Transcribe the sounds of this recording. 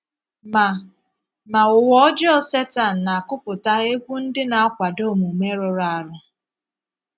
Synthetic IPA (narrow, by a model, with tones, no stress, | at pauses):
ma˨ | ma˨ʊ˨wɔ˦ɔ˦d͡ʒɔ˦se˦ta˨n̩˨na˨a˨kʊ˦pʊ˨ta˦e˦kʷu˦n̩˦dɪ˦na˨a˦kʷa˨do˦˨mu˨me˦ɾʊ˨ɾa˨a˨ɾʊ˦